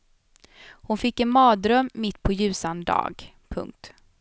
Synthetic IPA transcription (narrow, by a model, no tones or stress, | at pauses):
hʊnfɪkːɛnmɑːd̪ɾœmːɪt̪ːpʰɔjʉ̟ːsand̪ɑ̰ːɡ | pʰɵ̰ŋk̚t̪